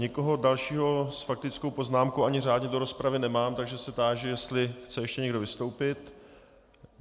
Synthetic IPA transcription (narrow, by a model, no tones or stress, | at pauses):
ɲɛko̞ɦo̞dalʃiːɦo̞sfak̚t̪ɪt͡sko̞wpo̞znaːmkowʔaɲɪr̝aːdɲɛdo̞ɾo̞spɾavɪnɛmaːmt̪aɡʒɛsɛt̪aːʒɛjɛst̪lɪxt͡sɛjɛʃcɛɲɛɡdo̞vɪst̪o̞wpɪt̪